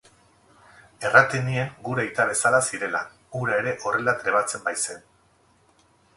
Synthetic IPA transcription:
e̞rat̪enie̞ŋɡuɾejt̪aβ̞e̞salasiɾe̞la | ɡuɾaeɾe̞ʔo̞re̞lat̪ɾe̞βat͡se̞mbajse̞n

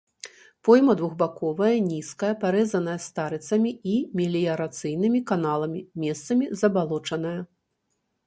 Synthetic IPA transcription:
pɔjmɐd̪vuɣbakɔvɐjɐnʲiskɐjɐpaɾɛzɐnɐjɐst̪aɾɨt̪sɐmʲiimʲelʲijɐɾat̪sɨjnɨmʲikanalˠɐmʲimʲɛst̪sɐmʲizɐbalˠɔt͡ʂɐnɐjɐ

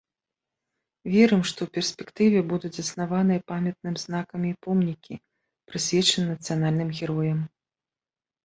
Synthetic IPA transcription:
vʲɛɾɨmʂt̪ɔwpʲɛrsʲpʲɛkt̪ɨvʲɛbud̪ud͡zʲzɐsnavanɨjɐpamʲɛt̪̚nɨmʲznakɐmʲipɔmnʲikʲḭ | pɾɨsʲvʲɛt͡ʂɐnɨnɐt̪sɨjan̪alʲnɨmɣʲɛɾɔjɐm

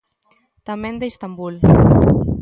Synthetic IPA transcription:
t̪amend̪əist̪ambul

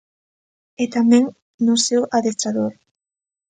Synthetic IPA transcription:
et̪amẽŋ | nʊsewʔaðest̪ɾaðoɾ

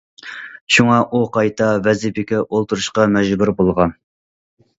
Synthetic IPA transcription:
ʃuŋɑʔuqʰɑjt̪ʰɑvɛzɪpɪkʲɛʔolˠt̪ʰuɾuʃqɑmɛʒbuɾbolˠʁɑn

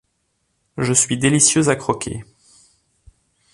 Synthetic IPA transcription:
ʒəsɥid̪elisjøzakχɔkʰʲḛ

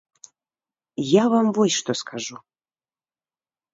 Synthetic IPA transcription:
javamvɔjʲʂt̪ɔskʰaʐu

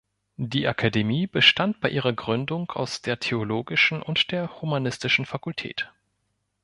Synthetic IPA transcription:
d̥iːʔakʰademiːbəʃtant̚b̥aɪʔiːʁ̞ɐɡʁʏndʊŋa̰ʊsd̥eːɐtʰeoloːɡɪʃn̩ʔʊntd̥eːɐhumanɪstɪʃn̩fakʊltʰɛ̰ːt

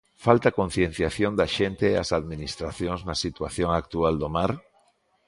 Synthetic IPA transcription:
falt̪akõn̟θjẽn̟θjaθjond̪aʃent̪eːa̰saðminist̪ɾaθjoŋznasit̪waθjoŋak̚t̪uald̪omaɾ

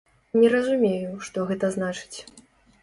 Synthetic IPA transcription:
nʲɛɾɐzumʲejuʂt̪ɔɣɛt̪ɐznat͡ʂɨ̥t͡sʲ

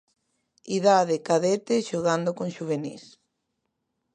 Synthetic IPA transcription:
iðaðekaðet̪eʃoɣand̪okõŋʃuβ̞enḭs

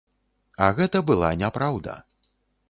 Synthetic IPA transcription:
ɐɣɛt̪ɐbɨlˠa̰nʲapɾawd̪ɐ̰

